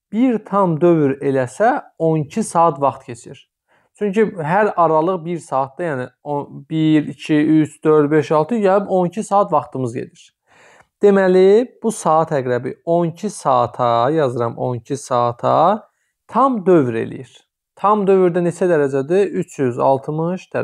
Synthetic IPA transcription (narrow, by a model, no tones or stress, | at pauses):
b̥iɾt̪ʰɑmd̪ø̞vyɾe̞læsæonicʰisɑːt̪vɑχt̪cʰe̞t͡ʃʰiɾ | t͡ʃʰyɲcyɦæɾɑɾɑlˠɯʁbiɾsɑːt̪̚d̪ɑjæːniobiɾicʰiyt͡ʃʰd̪øɾd̪beʃɑlˠt̪ʰɯjɑɯbo̞nicʰisɑːɑt̪vɑχt̪ʰɯmɯzɟḛd̪iɾ̥ | d̪̥e̞mælib̥usɑːt̪ʰæɡɾæbḭoncʰisɑːt̪ʰɑjɑzɯɾɑmo̰ncʰisɑːt̪ʰɑ̰ | t̪ʰɑmd̪ø̞vɾḛlḭjiɾ̥ | t̪ʰɑmd̪ø̞vyɾd̪ænet͡ʃʰæd̪æɾæd͡ʒæd̪iyt͡ʃʰjyzɑ̰lˠt̪ʰɯmɯʃd̪̥æɾ